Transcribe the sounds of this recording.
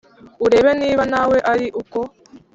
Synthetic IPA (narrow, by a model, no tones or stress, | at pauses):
uɾe̞ːβe̞niːβanawe̞ʔaɾiʔuko